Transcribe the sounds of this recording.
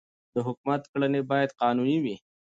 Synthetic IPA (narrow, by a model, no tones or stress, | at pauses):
d̪̥əɦʊkmat̪kɽənebɑjad̪qɑːnuniwi